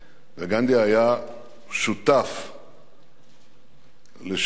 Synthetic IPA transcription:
veɡand̪iaja | ʃut̪af | leʃ

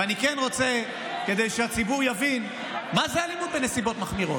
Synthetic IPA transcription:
anikenʁo̞t͡se | ke̞d̪ejʃeat͡sibuʁjavin | mazealimud̪̚benesibo̞t̪maχmiʁo̞̰t

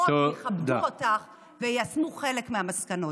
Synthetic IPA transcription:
oeχabduotaχ | vejasmuχele̞kmeamaskano̞

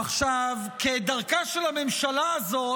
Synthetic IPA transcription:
aχʃav | ked̪aʁkaʃelame̞mʃalaːzo̞

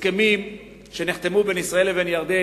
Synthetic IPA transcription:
kemim | ʃeniχt̪emubenisʁae̞lːevenjaʁd̪e

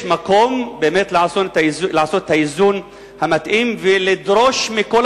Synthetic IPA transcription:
mako̞mbe̞ːmetleasozlaaso̞t̪e̥tʰaizun | hamat̪ʔimvelid̪ɾo̞ʃmiko̞l

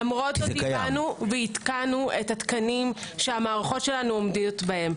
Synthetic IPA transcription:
amʁotoianuveit̪kanuetatkanimʃeamaːʁaχo̞tʃe̞lanuomdiotbahe̞m

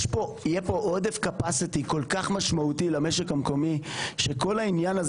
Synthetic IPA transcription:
ʃpoijepo̞ʔod̪efkapasit̪iko̞lkaχmaʃmaut̪ilameʃekamko̞miʃeko̞lainjanaz

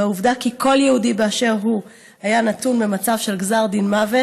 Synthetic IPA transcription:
auvdakikʰo̞ljehudibeaʃe̞ʁɦu | ajanatunmemat͡savʃe̞lɡzaʁdinmave

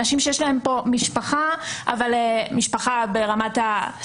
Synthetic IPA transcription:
aʃimʃejeʃlahe̞mpo̞miʃpaχaʔa̰valemiʃpaχabe̞ʁamata

